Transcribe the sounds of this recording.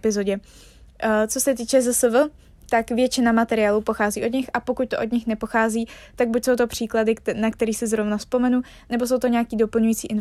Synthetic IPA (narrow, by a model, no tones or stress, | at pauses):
pɪzo̞ɟɛ | t͡so̞sɛt̪iːt͡ʃɛzɛsəvl̩ | t̪akvjɛt͡ʃɪnamat̪ɛɾɪaːluːpo̞xaːziːʔo̞dɲɪxʔapo̞kuc̚t̪oʔo̞dɲɪxnɛpo̞xaːziːt̪aɡ̚bucso̞wt̪o̞pr̝̥iːkladɪnakt̪ɛɾiːsɪzɾo̞vnafspo̞mɛnu | nɛbo̞so̞wt̪o̞ɲɛakiːdo̞pl̩ɲujit͡siːʔɪn